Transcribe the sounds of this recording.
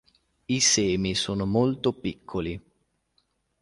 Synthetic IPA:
isɛːmisoːnomolt̪opikʰːoli

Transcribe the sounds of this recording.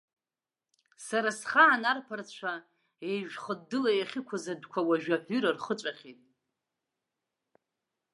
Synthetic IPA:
saɾasχaːnarpʰart͡ɕʷʰa | ejʒᶣχədːɨlajaχʲɪkʷʰazadkʷʰawaʒᶣaħʷᶣyɾarχət͡ʃʷʼaχʲitʼ

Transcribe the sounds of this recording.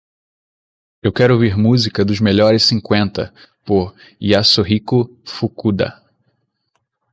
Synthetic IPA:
ewkɛɾʊoviɾmuzikɐd̪ʊzmeʎɔɾɪssĩŋkwẽnt̪ɐ̰ | poɾ | iasoɦikʊ | fukud̪ɐ̰

